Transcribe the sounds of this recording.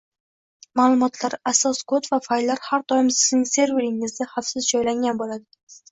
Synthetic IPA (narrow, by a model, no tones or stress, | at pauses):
malˠʊmɒt̪ʰlaɾasɒskʰot̪vafajlːaɾhaɾt̪ʰɒjɪmsɪ̥znɪŋse̞ɾveɾɪŋɪzd̪ahafsɪzd͡ʒɒjlaŋɡʲanbolad̪ɪ